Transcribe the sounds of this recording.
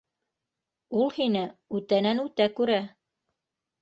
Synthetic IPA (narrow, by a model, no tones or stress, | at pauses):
ulˠhinɘʉt̪ænænʉt̪ækʉɾæ